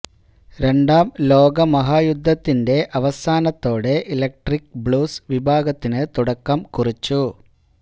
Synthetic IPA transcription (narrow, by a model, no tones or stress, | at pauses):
ɾe̞ɳɖaːmlo̞ːɡɐmɐɦaːjud̪ʱːɐt̪ːinde̞ʔɐʋɐsaːnɐt̪ːo̞ːɽeʔilɐk̚ʈrikbɭuːsʋibʱaːɡɐt̪ːinɨt̪uɽɐkːɐmkurit͡ɕːu